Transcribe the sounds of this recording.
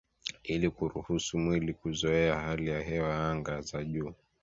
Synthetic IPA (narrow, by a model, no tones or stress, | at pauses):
ilikuɾuhusumwilikuzɔɛahalijaɦɛwaaŋɡazaʄuː